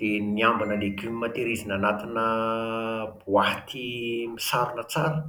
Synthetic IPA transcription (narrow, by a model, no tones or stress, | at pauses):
d̪̥eniambanəlekinimat̪eɾizinanat̪inə | buaɦat̪ʰimisaɾunət͡saɾə